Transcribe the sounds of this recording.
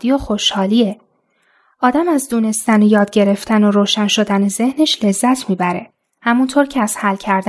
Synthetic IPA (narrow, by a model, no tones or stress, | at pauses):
d̪ijoxo̞ʃhɒːliːe | ʔɒːd̪æmæzd̪uːne̞st̪ænojɒːd̪̚ɟe̞ɾe̞ft̪ʰænoɾoːʃænʃo̞d̪æneze̞hneʃle̞zːæt̪ʰmiːbæɾe̞ | hæmunt̪ʰoːɾcʰeæz̥hælcʰæɾd̪